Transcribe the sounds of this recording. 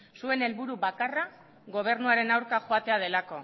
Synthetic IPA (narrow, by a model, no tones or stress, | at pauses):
sue̞ne̞lβuɾuβakara | ɣo̞β̞e̞ɾnuaɾe̞nawɾkaxoat̪e̞að̞e̞lako̞